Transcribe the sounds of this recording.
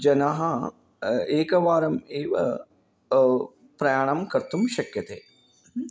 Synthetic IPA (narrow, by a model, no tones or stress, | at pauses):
d͡ʒɐnɐɦɐ | eːkɐʋaːɾɐmeːʋɐ̰ | pɾɐjaːɳɐmkɐɾt̪umʃɐkjɐt̪ḛː